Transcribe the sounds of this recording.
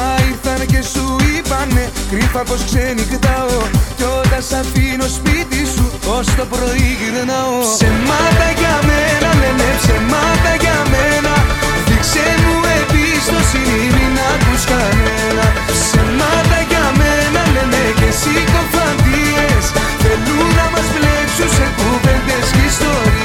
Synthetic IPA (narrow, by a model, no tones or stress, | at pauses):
aiθɐnce̞suipɐnːekɾifɐposksenikt̪ɐocot̪ɐsɐfino̞spit̪isuost̪opɾo̞iʝiðenɐosenmɐt̪ɐʝɐmenɐlenesemat̪ɐʝɐmenɐ | fiksenmuepi | st̪osiniminat̪uskanenɐ | senmat̪ɐʝamenalenekesikoɱfand̪ies | teluðɐmasflepsusekupend̪eskist̪oɾi